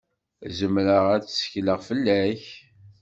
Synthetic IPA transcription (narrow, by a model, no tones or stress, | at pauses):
zəmɾəʁæt͡sːsə̥çləʁfəlːæç